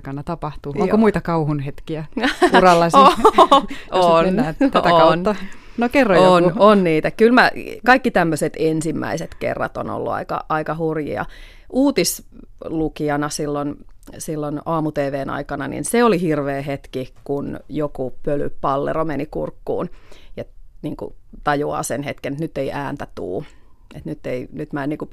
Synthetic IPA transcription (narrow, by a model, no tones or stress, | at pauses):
kɑnɑt̪ɑpɑht̪uoŋkomuit̪ɑkɑuhunhet̪kiæurɑlːɑs | oæːt̪æt̪æokɑnːɑ | nokerːojononniːt̪ækylmækɑikːit̪æmːøset̪ensimːæ̰iset̪kḛrːɑ̰t̪o̰no̰lːṵɑ̰ikɑ̰ɑikɑhurjḭɑ̰ | ʔuːt̪is | lukiɑnɑsilːonsilːonɑːmut̪eːʋeːnɑ̰ikɑnɑnḭnseolihirʋeːɦet̪kikunjokupøly̰pɑlːḛromenikṵrkːṵːnet̪niːŋkṵt̪ɑjuɑ̰ːsenhet̪kenĕt̪nyt̪ːeiʔæːnt̪æt̪ṵːet̪nyt̪ːeinyt̪mæeniːku